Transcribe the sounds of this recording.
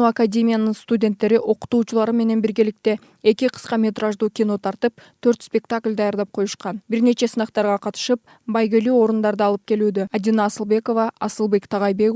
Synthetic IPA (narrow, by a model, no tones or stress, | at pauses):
akadʲe̞mʲijanəɴst̪udʲe̞nt̪ːe̞ɾɪʔo̞qə̥t̪uʃəlˠɑɾəme̞ne̞nbɪɾɡʲe̞lɪk̚t̪e̞ | e̞kʲɪqʰə̥sqɑmʲe̞t̪ɾaʒd̪ukʲino̞t̪ʰɑɾt̪əp̚t̪ʰɵɾt̪spʲe̞kt̪akʲlʲd̪ɑjɑɾd̪ɑp̚qʰo̞jəʃqɑnbɪɾne̞t͡ʃe̞sənɑqt̪ɑɾʁɑqʰɑt̪ə̥ʃəp̚ | bɑjɡʲeluo̞ɾənd̪ɑɾd̪əɑlˠəp̚kʲʰe̞lud̪ead̪inɑːsəlˠbe̞ko̞vɑɑsəlˠbe̞kt̪ʰɑʁɑjbe̞k